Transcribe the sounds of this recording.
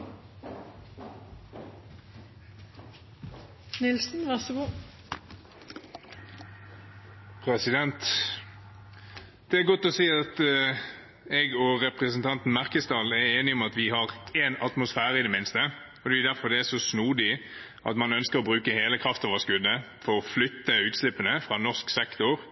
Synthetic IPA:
nɪlsn̩ʋæʁsəɡuː | pʰɾɛsɪd̪ɛnt̪ | d̪̥ɛæɾɡɔt̪ːɔsiːɑt̪ | ɛɡɔʁɛpʁəsənt̪ʰɑnt̪n̩mæʁkəsd̪ɑːlæɾeːnɪɔmɑt̪ʋɪhɑʁeːnɑt̪mʊsfæːʁəɪd̪ɛmɪnst̪ə | ɔd̪ɛɛd̪æʁfɔʁd̪ɛæʂɔsnuːd̪ɪ | ʔɑ̰t̪mɑnœnskəɾɔbɾʉːkəheːləkʰʁɑft̪ɔʋoəskʉd̪ːə | fɔɾɔflʏt̪ːəʉːt̪slɪpːənəfʁɑnɔsksɛkt̪ʊʁ

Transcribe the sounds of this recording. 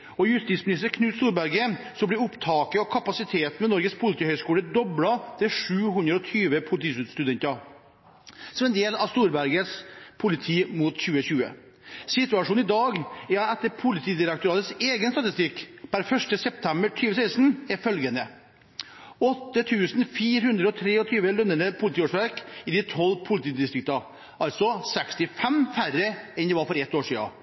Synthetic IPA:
ɔjʉst̪iːt̪smɪnɪst̪əɾkʰnʉːt̪st̪uːɾbæɾɡəsɔmblɪɾʊpt̪ʰɑːkəɔkʰɑpɑsɪt̪ʰeːt̪mɛnɔɾɡəspʰʊlɪt̪ʰiːhœʏskuːləd̪ɔbɽɑt̪ʰɪlʂʉːɦʉnd̪ɾəɔt̪ʰyːʋəpʰʊlɪt̪ʰiːsʉt̪st̪ʉd̪ɛnt̪ɑ | sɔmɛnd̪eːlɑʋst̪uːɾbæɾɡəspʰʊlɪt̪ʰiːmut̪çʉːəçʉːə̰ | sɪt̪ʉɑʂuːnɪd̪ɑːɡæɛt̪ːəɾpʰʊlɪt̪ʰiːd̪ɪɾɛk̚t̪ʊɾɑːt̪ət̪seːɡənst̪ɑt̪ɪst̪ɪkːbæɾfœʂʈəsɛpt̪ʰɛmbəʈʰyːʋəsæɪst̪n̩æɾfœlɡənə | ɔt̪ːət̪ʰʉːsn̩fiːɾhʉnd̪ɾəɔt̪ʰɾeːɔt̪ʰyːʋəlœnːəɳəpʰʊlɪt̪iːoːʂʋæɾkɪd̪ɪt̪ʰɔlpʰʊlɪt̪ʰiːd̪ɪst̪ɾɪk̚t̪ɑ | ɑlt̪sɔsɛkst̪ɪfɛmfæɾəɛnd̪ɛːʋɑːɾfɔɾɛt̪ːoːʂiːɑ̰

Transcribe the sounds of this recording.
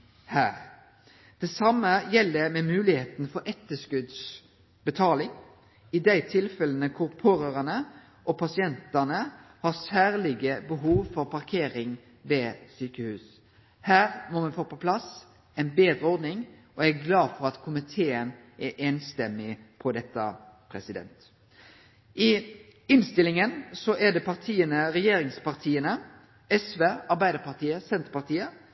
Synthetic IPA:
hæːɾ | d̪̥ɛsɑmːəjɛlːəmɛmʉːlɪheːt̪n̩fɔɾʔɛt̪ːəskʉd̪s | bət̪ʰɑːlɪŋ | ɪd̪æɪt̪ʰɪlfɛlənəkʰʊʁpʰoːɾəʁɑnə | ʔɔpʰɑsɪɛnt̪ɑnəhɑʁsæːʁlɪɡəbəɦuːʋfɔɾpʰɑʁkʰeːɾɪŋ | ʋesyːkəhʉːs | hæːʁmɔmɛnfoːpɔpʰlɑs | ɛɪnbeːd̪ʁəɔɾd̪nɪŋ | ɔæɡlɑːfɔʁɑt̪kʰʊmɪt̪ʰeːən | ʔɛʔɛːnst̪ɛmːɪpʰɔd̪ɛt̪ːə | pʰɾɛsɪd̪ɛ̰nt̪ | ʔɪ | ɪnst̪ɪlɪŋənsɔʔɛd̪ɛpʰɑʁt̪ʰiːənəɾɛjeːɾɪŋspɑʁt̪ʰiːənə | ɛsʋeːɑʁbæɪd̪əpɑʁt̪ʰiːəsɛnt̪əpɑʁt̪ʰiːə

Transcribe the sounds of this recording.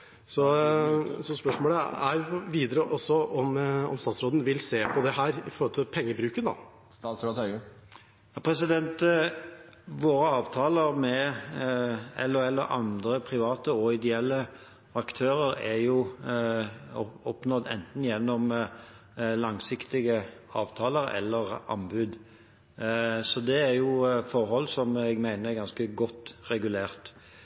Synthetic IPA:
sɔ | sɔspœʂmoːləæʋiːd̪əɾəʔɔsːɔɔmɔ̰mst̪ɑːt̪sɾoːd̪n̩ʋɪlseːpʰɔd̪ɛɦæːɾɪfɔɾhɔlt̪ʰɪlpʰɛŋːəbɾʉːkənɑ̰ | st̪ɑːt̪sɾoːd̪hœʏə | jɑːpʰɾɛsɪd̪ɛnt̪ | ʋoːɾəɑːʋt̪ʰɑːləɾmɛ | ɛ̰lːɔɛlːəɾɑ̰nd̪ɾəpʰɾɪʋɑːt̪əɔɪd̪ɛɛlːə | ɑkt̪ʰøːɾəɾɛɾjʊ | ɔpnɔd̪ɛ̰nt̪n̩jɛnːɔm | lɑŋsɪkt̪ɪɡəɑ̰ːʋt̪ʰɑːləɾɛ̰lːəɾɑ̰nbʉːd̪ | sɔd̪ɛæɾjʊfɔɾɦɔlːsɔmɛɡmæɪnəɛɾɡɑnskəɡɔt̪ːʁɛɡʉleːʁt̪

